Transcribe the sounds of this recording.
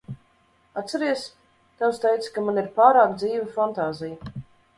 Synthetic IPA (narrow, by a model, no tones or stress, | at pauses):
at̪t̪sɛɾiɛs | t̪awst̪ɛjt̪skamaniɾpaːɾaːkd̪ziːvafant̪aːzija